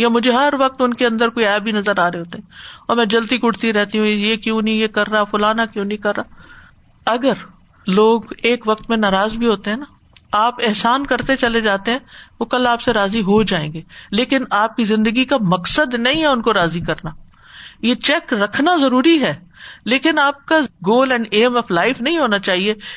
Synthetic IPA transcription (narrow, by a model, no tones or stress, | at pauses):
jamʊd͡ʒʱeɦɐɾʋɐk̚t̪ʊnkeɐ̃nd̪əɾkoːiɛːbʱinɐzəɾaːɾeeɦoːt̪eɦɛ̃ɔːɾmɛ̃d͡ʒɐlt̪ikʊɽt̪iɾɛɦt̪iɦũjekjõːnɐĩjekɐɾːaːfʊlaːnakjõːnɐĩkɐɾːaː | ɐɡəɾ | loːɡeːkʋɐk̚t̪mẽnaːɾaːzbʱiɦoːt̪eɦɛ̃ːna | aːpɪɦsaːnkɐɾt̪et͡ʃɐled͡ʒaːt̪eɦɛ̃ʋokɐlaːpseɾaːziɦod͡ʒaːẽːŋɡeːleːkɪnaːp̚kizɪ̃nd̪əɡikamɐksəd̪nɐɦĩɦɛʊnkoɾaːzikɐɾnaː | jet͡ʃɛkɾɐkʰnazɐɾuːɾiɦɛːleːkɪnaːp̚kaɡoːlɛ̃ːɳɖeːmɔflaːɪfnɐɦĩɦoːnat͡ʃaːɦieː